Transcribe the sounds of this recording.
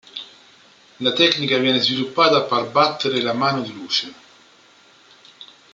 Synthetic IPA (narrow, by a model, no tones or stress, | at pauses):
lat̪ɛknikavjɛːnezvilupːaːd̪aparbat̪ːeɾelamaːnod̪iluːt͡ʃe